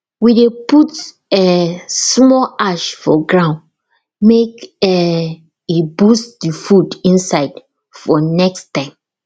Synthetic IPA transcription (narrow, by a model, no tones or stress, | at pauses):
wideput | ɛsmɔlʔaʃfɔ̰ɡɹãʊ̃nd | mekɛ | ibustdifudĩnsaɪd | fɔnɛkstãɪ̃m